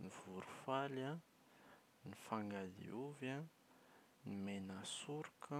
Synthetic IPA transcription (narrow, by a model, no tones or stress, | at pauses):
niv̥uɾufala | nifaŋɡazḭuva | nimenasuɾukə